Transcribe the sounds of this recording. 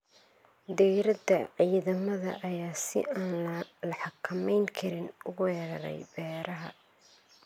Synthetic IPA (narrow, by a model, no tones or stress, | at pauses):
d̪ijɾɐd̪ɐʕiːðɐmɐðɐ̰ʔɐjaːsɪ̰aːnllɐħɑkʰɐmɛjŋkʰɐɾɪnʊwɛːɾɐɾɛ̰jbɛːɾɐɦɐ̰